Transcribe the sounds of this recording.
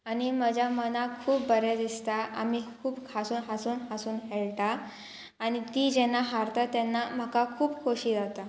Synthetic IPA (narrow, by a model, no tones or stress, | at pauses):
añiməd͡ʑʱamənakʰuːpbəɾed̪ist̪aʔa̰mikʰuːbkʰasuːnɦasuːnɦasuːnɦeɭʈ̪aː | ɽ̃it̪iːd͡ʑɛnːaɦaɾt̪at̪ɛnːam̤əkakʰuːbkʰoɕiːd͡zawt̪a